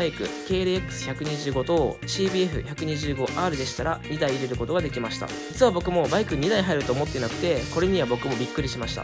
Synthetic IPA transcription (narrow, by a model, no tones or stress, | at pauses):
aikɯ̟̰ke̞ːɾɯekːɯ̟̥sɨ̥çakɯ̟ɲ̟iʑɨːɡo̞t̪o̞ɕiːbʲiːeɸɯ̟̰çakɯ̟ɲ̟iʑɨːɡo̞ʔaːɾɯ̟d̪e̞ɕi̥t̪aɾaɲ̟id̪aiːɾe̞ɾɯ̟ko̞t̪o̞ɡad̪e̞kʲimaɕi̥t̪a̰d͡ʑit͡sɨβ̞abo̞kɯ̟mo̞baikɯ̟ɲ̟id̪aiɦaiɾɯ̟t̪o̞ːmo̞t̪ːenakɯ̟̥t̪e̞ko̞ɾe̞ɲ̟iβabo̞kɯ̟mo̞bʲikːɯ̟ɾʲiɕimaɕi̥t̪a̰